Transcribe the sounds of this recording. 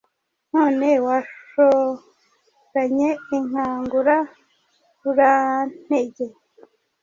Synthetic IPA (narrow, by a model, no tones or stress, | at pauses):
noːnewaʃo | ɾaɲeiŋ̥aːŋɡuɾa | βuɾan̥eɟe